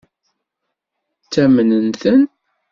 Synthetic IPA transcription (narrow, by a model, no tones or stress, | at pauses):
t͡sːæmənənθən